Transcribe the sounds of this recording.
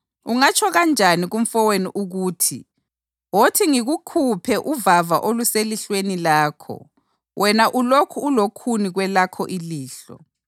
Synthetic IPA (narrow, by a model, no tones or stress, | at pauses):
uŋat͡ʃʰɔɣand͡ʒʱaniɣuɱ̩fɔweniʔuɣuːtʰḭ | wotʰiŋiɣukʰupʰɛʔuvava̰ʔoluseliɬwenilaːkʰɔ̰ | wʔɛnaʔulokʰuːlokʰuniɣwɛlakʰɔʔiliːɬɔ̰